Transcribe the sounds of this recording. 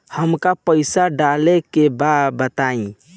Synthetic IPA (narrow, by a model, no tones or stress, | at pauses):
həmkapəɪsaɖalekebad̪bət̪aĩ